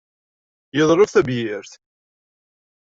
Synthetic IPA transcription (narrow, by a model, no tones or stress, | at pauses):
jəðˤɾˤofθæbjɪɾθ